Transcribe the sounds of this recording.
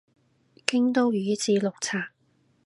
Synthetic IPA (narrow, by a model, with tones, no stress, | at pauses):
kɪ˥ŋt̪o˥wjyː˨˥t͡siː˧lʊ˨k̚t͡sʰaː˨˩ŋ